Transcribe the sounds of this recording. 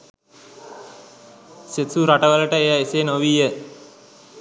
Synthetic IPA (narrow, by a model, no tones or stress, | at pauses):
sesuɾaʈəʋələʈəejaeseːnoʋiːjə